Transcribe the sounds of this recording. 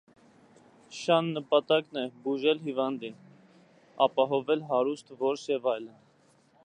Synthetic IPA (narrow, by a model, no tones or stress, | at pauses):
ʃɑnːəpɑt̪ɑknɛbuʒɛlɦivɑnd̪in | ɑpɑɦɔvɛlɦɑɾust̪ʰvɔɾʃjɛvɑjlən